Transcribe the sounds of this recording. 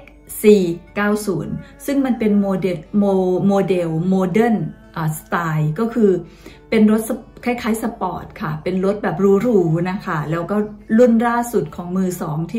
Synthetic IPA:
siː˨˩kaː˥˩wsuː˩˦nsɯ˥˩ŋma˧npe˧nmoː˧de˧moː˧moː˧de˧wmoː˧dɤ˥˩nʔaː˨˩st̪aː˧jkɔː˥˩kʰɯː˧ | pe˧nɾo˦˥t̪̚sa˧kʰaː˥˩jkʰaː˨˧˥jsa˧pɔ̰ː˨˩t̪̚kʰa˥˩pe˧nɾo˦˥t̪̚bɛː˨˩p̚ɾuː˦˥ɾuː˦na˦˥kʰa˥˩lɛː˦˥wkɔː˥˩lu˥˩nɾaː˥˩su˨˩t̪̚kʰɔː˩˦ŋmɯː˧sɔː˩˦ŋt̪ʰiː˥˩

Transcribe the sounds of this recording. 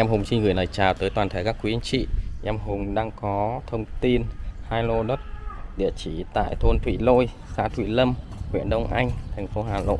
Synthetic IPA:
ʔɛ˧mɦʊ˨˩ŋ͡msi˧ŋ̟ŋɨ˨˩əjna˨˩jt͡ɕaː˨˩wt̪əː˨˦jt̪waː˨˩nt̪ʰe˧˩kaː˦˥kːwi˨˦˧nt͡ɕḭ˧˨ʔɛ˧mɦʊ˨˩ŋ͡mɗaː˧ŋkɔ˨˦t̪ʰə˧wŋ͡mt̪i˧nhaː˧jlo˧ɗə˦˥t̚ɗḭ˧˨ət͡ɕi˧˩t̪a̰ː˧˨jt̪ʰo˧nt̪ʰwḭ˧˨˩lo̰˧˨j | sa̰ː˧˥t̪ʰwḭ˧˨lə˧m | hwḭ˧˨ənɗə˧wŋ͡mʔa˧jŋ̟t̪ʰɛ˨˩ŋ̟fo˨˦ɦaː˨˩lo̰˧˨

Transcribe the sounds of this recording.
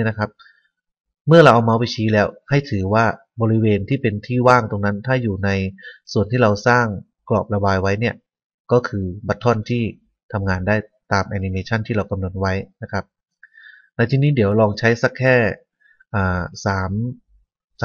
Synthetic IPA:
na˦˥kʰa˦˥p̚ | mɯ˥˩ɐɾla˧wʔa˧wmaː˧wpa˧jt͡ɕʰiː˦˥lɛː˦˥wha˥˩jt̪ʰɯː˩˦waː˥˩ | bɔː˧ɾi˦˥weː˧nt̪ʰiː˥˩pe˧nt̪ʰiː˥˩waː˥˩ŋt̪o˧ŋna˦˥nt̪ʰaː˥˩juː˨˩na˧jsu˨˩ənt̪ʰiː˥˩ɾa˧wsaː˥˩ŋ | klɔː˨˩p̚ɾa˧baː˧jwa˦˥jni˥˩ɐ | kɔː˥˩kʰɯː˧ba˦˥t̪ʰːɔ˥˩nt̪ʰiː˥˩ | t̪ʰa˧mŋaː˧ndaː˥˩j | t̪aː˧mʔɛː˧ni˧meː˧t͡ɕʰa˥˩nt̪ʰiː˥ɾa˧wka˧mno˧˥n̚wa˦˥jna˦˥kʰa˦˥p̚ | na˧jt̪ʰiː˧niː˦˥˩di˩˦əwlɔː˧ŋt͡ɕʰa˦˥jsa˦˥˩kʰːɛː˥˩ | ʔaː˨˩saː˩˦m

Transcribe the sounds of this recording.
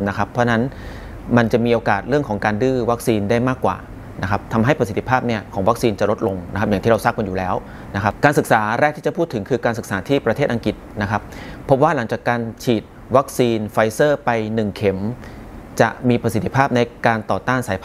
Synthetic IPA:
na˦˥kʰa˦˥pʰːɾɔ˦˥˧na˦˥n | ma˧nt͡ɕa˨˩miː˧ʔoː˧kaː˨˩t̪̚ɾɯ˥˩əkʰɔː˩˦ŋkaː˧ndɯː˥˩wa˦˥k̚siː˧ndaː˥˩jmaː˥˩kːwa̰ː˨˩ | na˦˥kʰa˦˥p̚t̪ʰa˧mɦa˥˩jpɾasi˨˩t̪ʰːi˦˥pʰaː˥˩p̚ni˥˩ɐkʰɔː˩˦ŋwa˦˥k̚siː˧nt͡ɕa˨˩ʔlo˦˥t̪̚lo˧ŋna˦˥kʰa˦˥pja˨˩ŋt̪ʰiː˥˩ɾa˧wsaː˥˩k̚ma˧njuː˨˩lɛː˦˥w | na˦˥kʰa˦˥pkaː˧nsɯ˨˩k̚saː˩˦ɾɛː˥˩k̪̚ʰiː˥˩a˨˩pʰuː˥˩t̪ʰːɯ˩˦ŋkʰɯː˧kaː˧sɯ˨˩k̚saː˩˦t̪ʰiː˥˩pɾa˧eː˥˩t̪ʔa˧ŋki˨˩t̪̚na˦˥kʰa˦˥p̚ʰːo˦˥p̚waː˥˩la˩˦ŋt͡ɕaː˨˩kːaː˧nt͡ɕʰiː˨˩t̪̚ | wa˦˥k̚siː˧nfa˧jsɤː˥˩pa˧jnɯ˨˩ŋkʰe˩˦m | t͡ɕa̰˨˩ʔmiː˧pɾa˧si˨˩t̪ʰːi̥˦˥pʰaː˥˩p̚na˧jkaː˧nt̪ɔː˨˩t̪aː˥˩nsaː˩˦jpʰ

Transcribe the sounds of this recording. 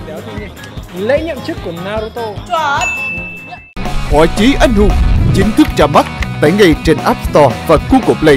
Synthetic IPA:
lḛ˧˥ɲə̰˧˨mt͡ɕɨ˦˥kːu˧˩ənaː˧ɾo˧t̪o˧ | hwaː˧˨˩t͡ɕi˨˦ʔa˧jŋ̟hṵ˧˨t͡ɕï˨˦ŋ̟t̪ʰɨ˦˥k̚t͡ɕaː˧˩ma˦˥t̚t̪aː˧˩jŋa˨˩jt͡ɕe˧nʔaː˦˥p̚st̪ɔ˧vaː˨˩ku˧ko˨˩p̚lə˧˩j

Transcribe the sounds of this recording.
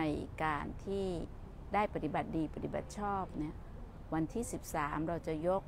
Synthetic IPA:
a˧jkaː˧nt̪ʰiː˥˩ | daː˥˩jpa˨˧t̪i˧ba˨˩t̪̚diː˧˩pa˧t̪i˧˩ba̰˨˩t̪̚t͡ɕʰɔː˥˩p̚ni˦˥ɐ | wa˧nt̪ʰiː˥˩si˨˩˦p̚saː˩˦mɾa˧wt͡ɕa˨˧˩jo˦˥k̚

